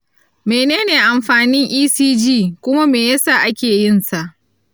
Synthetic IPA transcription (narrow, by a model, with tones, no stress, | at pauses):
meː˨neː˦neː˨ʔa˨mɸaː˨nɪ˦ŋʔiː˦siː˦d͡ʒiː˦˨kʷʊ˦ma˦meː˨ja˦saː˦˨ʔa˦kʲeː˨jɪ˦nsa˦˨ʔ